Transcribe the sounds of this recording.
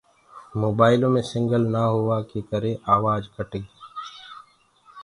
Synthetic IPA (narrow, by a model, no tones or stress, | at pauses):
moːbaːɪlõmẽsɪ̃ŋɡəlnaɦoʋaket̪əɾeʔaːʋaːd͡ʒkəʈẽːɡiː